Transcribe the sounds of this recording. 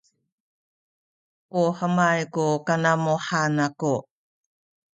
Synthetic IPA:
uħəmajkukanamuħanaku

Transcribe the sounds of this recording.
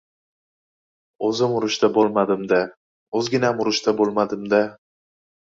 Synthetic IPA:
ɵzɪmʊɾʊʃt̪ʰabolˠmad̪ɪmd̪a | ɵzɡʲɪnaamʊɾʊʃt̪ʰabolˠmad̪ɪmd̪a

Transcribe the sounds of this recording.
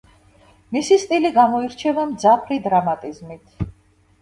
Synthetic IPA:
misist̪ʼiliɡamɔiɾt͡ʃʰɛvamd̪zapʰɾid̪ɾamat̪ʼizmit̪ʰ

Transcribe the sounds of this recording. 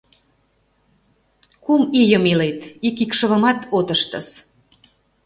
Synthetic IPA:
kumijəmilet̪ikikʃə̆βə̆mɑt̪ot̪əʃt̪ə̰s

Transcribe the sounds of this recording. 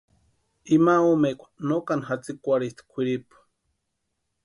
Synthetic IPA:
imaumekʷḁnokanxat͡sikʷaɾist̪kʷʰiɾipu̥

